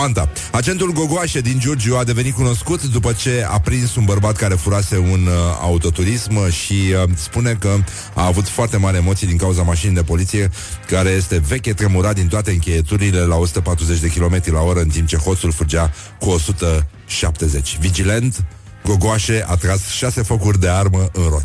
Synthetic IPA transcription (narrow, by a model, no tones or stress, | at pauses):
ant̪a̰ | at͡ʃe̞nt̪ulɡo̞ɡoaʃe̞d̪ind͡ʒord͡ʒuad̪e̞ve̞nit̪̚kuno̞skut̪d̪upət͡ʃe̞a̰pɾinsunbərbat̪kaɾe̞fuɾase̞una̰ut̪o̞t̪uɾismʃispune̞kə | aːvut̪foart̪e̞maɾʲemot̪sijd̪iŋkauzamaʃinejd̪e̞po̞lit̪sije | kaɾe̞je̞st̪e̞ve̞kʲet̪ɾemuɾat̪d̪int̪oat̪e̞ɨŋkʲe̞jet̪uɾile̞lao̞su̥t̪əpat̪ɾuze̞t͡ʃʲd̪e̞kʲilo̞me̞t̪ɾilao̞ɾəɨnt̪impt͡ʃe̞xo̞t̪sulfud͡ʒa | kuo̞sut̪ə | ʃap̚t̪e̞ze̞t͡ʃʲvid͡ʒile̞nt̪ | ɡo̞ɡoaʃe̞at̪ɾasʃase̞fokurʲd̪e̞arməʔɨnrot̪